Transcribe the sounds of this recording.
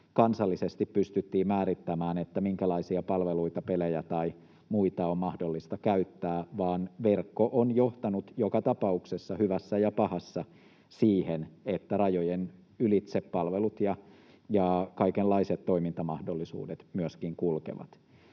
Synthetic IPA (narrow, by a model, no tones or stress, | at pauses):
kɑnsɑlːisest̪ippyst̪yt̪ːiːmmæːɾit̪ːæmæːnet̪ːæmiŋkælɑisiɑpɑlʋeluit̪ɑpelejæt̪ɑi | muit̪ɑommɑhdolːist̪ɑkæyt̪ːæːʋɑːnʋerkːoʔonjoht̪ɑnut̪jokɑt̪ɑpɑuksesːɑhyʋæsːæjɑpɑhɑsːɑ | siːhenet̪ːærɑjojen | ylit̪seppɑlʋelut̪jɑ | jɑkɑikelːɑiset̪toimint̪ɑmɑhdolːisṵːdet̪myøskiŋkulkḛʋɑ̰t̪